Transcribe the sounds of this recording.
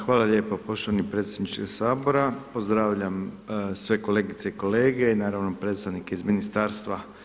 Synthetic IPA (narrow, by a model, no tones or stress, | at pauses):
xʋaːlˠalʎe̞ːpopo̞ʃt̪oanipɾe̞t̪sʲjed̪nit͡ʃkoɡsaːbo̞ɾapo̞zd̪ɾaːʋʎamsʋe̞ko̞le̞ːɡit̪seiko̞le̞ːɡe̞inaːɾaʋno̞pɾe̞t̪st̪aʋnikeizminist̪aːɾst̪ʋa